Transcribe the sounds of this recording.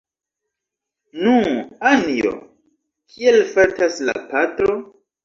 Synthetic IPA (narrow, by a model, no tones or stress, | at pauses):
nuanijo̰ | kʰielfatasla̰patɾo̞